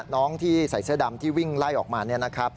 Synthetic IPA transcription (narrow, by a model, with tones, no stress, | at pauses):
nɔː˦˥ŋt̪ʰiː˥˩sa˨˩˦jsɯ˦˥da˧mt̪ʰiː˥˩wi˥˩ŋla˥˩jʔɔː˨˩k̚maː˧ni˥˩ɐna˦˥kʰa˦˥p̚